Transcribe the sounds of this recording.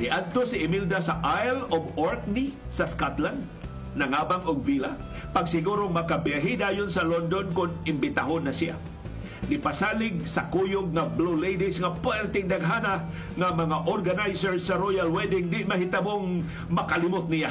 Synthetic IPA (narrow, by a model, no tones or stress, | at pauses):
nɪʔad̪̚t̪osɪɪmild̪asɐʔajloboɹk̚nisɐskat̪land̪̚ | nɐŋaːbaŋʊɡ̚viːla | pɐɡsɪɡuːɾoŋmɐkabɛɦid̪aːjʊnsɐlond̪onkʊnɪmbɪt̪aɦonːɐsia̰ | nɪpasaːlɪɡ̚sɐkujʊɡ̚ŋablulejd̪ɪsŋapwɛɾt̪ɪŋd̪aɡɦaːna | ŋamɐŋaʔoɾɡanajsɛɹsɐɾojalwɛd̪ɪŋd̪ɪmɐɦɪt̪amoŋ | mɐkalɪmʊt̪̚nɪja